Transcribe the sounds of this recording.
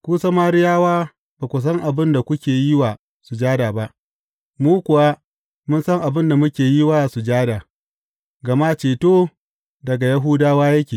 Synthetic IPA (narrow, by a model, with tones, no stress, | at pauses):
kʷuː˦sɐ˦ma˦ɾɪ˦jaː˦waː˦ | baː˨kʷʊ˨s̬ɐ˦ŋʔa˨bɪ˦nda˨kʷʊ˦kʲeː˨ji˦wa˨ | su˨d͡ʒaː˦daː˨ba˦ʔ | muː˦kʷʊ˨wa˦ | mʊ˦nsɐ˦ŋʔa˨bɪ˦nda˨mʊ˦kʲeː˨ji˦waː˦su˨d͡ʒaː˦daː˨ | ɡɐ˨ma˦t͡ʃeː˨toː˦ | dɐ˨ɡa˨jɐ˦ɦuː˦daː˦waː˦jɐ˦kʲeː˨